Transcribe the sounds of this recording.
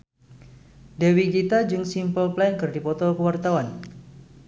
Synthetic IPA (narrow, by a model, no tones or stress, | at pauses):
dewiɡit̪ad͡ʒɨŋsimpəlplajŋkɨrdipɔt̪ɔkəwart̪awan